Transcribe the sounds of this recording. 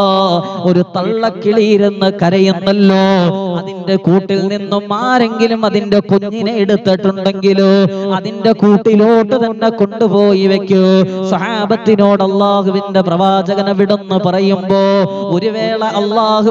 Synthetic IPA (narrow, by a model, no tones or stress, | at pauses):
o̞ɾut̪ɐɭːɐkːiɭijiɾunːɨkɐɾɐjunːɐlːoːɐðindekuːʈːilninːumːaːɾe̞ŋɡilumɐðinde̞koɲːineeɽut̪ːiʈːuɳɖe̞ŋɡiluɐðinde̞kuːʈːiloːʈːɨt̪ɐnːe̞ko̞ɳɖupo̞ːjiʋekʲːusɐhaːbɐt̪ːino̞ːɽɐlːaːhuʋinde̞prɐʋaːd͡ʑɐɣɐnɐʋiɽunːɨpɐrɐjumbo̞ːoɾuʋe̞ːɭeʔɐlːaːhu